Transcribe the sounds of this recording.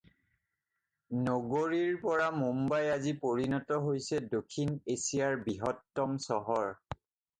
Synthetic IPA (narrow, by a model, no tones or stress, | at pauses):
nɔɡoɹiɹpɔɹamumbajazipoɹinɔtɔɦojsɛdokʰːinesijaɹbiɦɔtːɔmsɔɦɔɹ